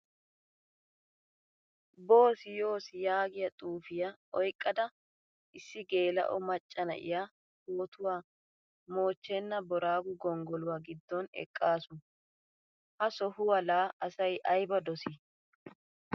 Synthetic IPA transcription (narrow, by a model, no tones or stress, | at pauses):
bo̞ːsɪjo̞ːsɪjaːɡɪjɐt̪ʼuːfɪjɐʔɔjkʼːɐd̪ɐ | ʔɪsːɪɡe̞ːlɐ̰ʔɔ̰mɐt͡ʃʼːɐnɐ̰ʔɪ̰ja | hoːt̪ʊwaː | mo̞ːt͡ʃːɛnːɐbɔɾaːɡʊɡɔŋɡɔlʊwaɡɪd̪ːɔnɛ̰kʼːaːsʊ | hɐsɔhʊwɐlaːɐsɐjʔɐjbɐd̪ɔsɪ